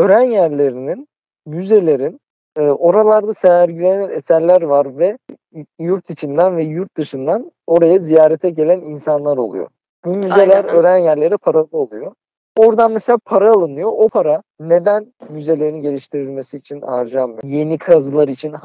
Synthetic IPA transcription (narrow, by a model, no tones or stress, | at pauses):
øɾænjæɾlʲe̞ɾinin | myze̞lʲe̞ɾinː | ʔo̞ɾalˠaɾd̪aseæɾɟilʲeninesællʲːæɾvaɾvɛ | juɾt̪ʰit͡ʃʰind̪ænvɛjuɾt̪̚d̪ɯʃɯnd̪an | o̞ɾajazijaːɾɛt̪ʰɛɟe̞lʲæninsanlˠaɾolˠṵjo̰ | bumye̞lʲæɾøɾænjæɾlʲe̞ɾipʰaɾalˠɯo̞lˠujo | o̞ɾd̪anmeselʲaːpʰaɾaːlˠɯnɯjo̞ʔopʰaɾa | ne̞d̪ænmyze̞lʲe̞ɾinɟe̞lʲiʃt̪ʰiɾilʲme̞siːt͡ʃʰina̰ɾd͡ʒamːɯjje̞nikʰazɯlˠaɾit͡ʃʰin